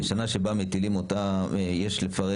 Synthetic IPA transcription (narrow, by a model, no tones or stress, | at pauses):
ʃanaʃe̞bamet̪ilimo̞tajeʃle̞faʁe